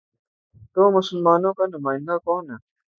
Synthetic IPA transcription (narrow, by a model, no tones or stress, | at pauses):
t̪oːmɐsʊlmaːnoːkanɐmaːĩŋɡakoːna